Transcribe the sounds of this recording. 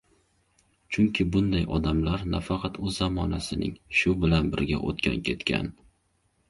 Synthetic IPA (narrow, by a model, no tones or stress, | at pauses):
t͡ʃʰʊŋkʲʰɪbʊnd̪ajɒd̪amlaɾnafɑqʰɑt̪ɵzːɒmɒnasɪnɪ̰ŋʃʊbɪlanbɪɾɡʲa̰ʔo̰t̪kʲʰa̰nkʲʰe̞t̪kʲʰa̰n